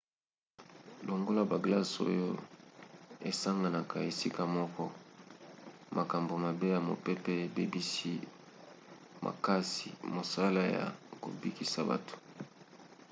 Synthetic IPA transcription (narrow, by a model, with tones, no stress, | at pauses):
lo˨ŋɡo˦la˦ba˨ɡla˦so̰˦jo˦ | e˨sa˦ŋɡa˨na˨ka˨e˨si˦ka˦mɔ˦kɔ˦ | mʔa˨ka˨mbo˨ma˨be˦ja˨mo̰˨pɛ˦pɛ˦e˨be˦bi˦si˦ | mʔa̰˨ka˦si˨mo˨sa˦la˦ja̰˨ko̰˨bi˦ki˨sa˨ba̰˨tʰo̥˨